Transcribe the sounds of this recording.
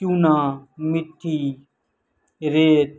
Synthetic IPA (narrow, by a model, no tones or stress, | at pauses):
ũːnãːmɪʈʰːiː | ɾeːt̪